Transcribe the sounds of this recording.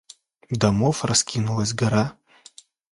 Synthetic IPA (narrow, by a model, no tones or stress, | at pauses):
d̪ɐmofrɐskʲʰinulˠɐs̬ʲɡɐɾa